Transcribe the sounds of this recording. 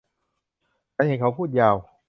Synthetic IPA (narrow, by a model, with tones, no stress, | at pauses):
t͡ɕʰa˦˥nha˨˦˩kʰa˨˦wpʰuː˥˩t̪̚jaː˧˩w